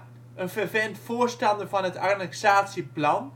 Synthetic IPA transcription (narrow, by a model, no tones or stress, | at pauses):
ʔənvəɹvɛntfʊːɹstɑndəɹvɑnɦətanɛksaːtsiplɑn